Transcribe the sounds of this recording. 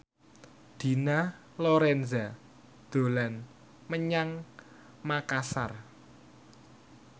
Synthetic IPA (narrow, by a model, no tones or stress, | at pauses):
d̪̥i̤na | loɾɛnza | d̪̥o̤lan | məɲaŋ | makasar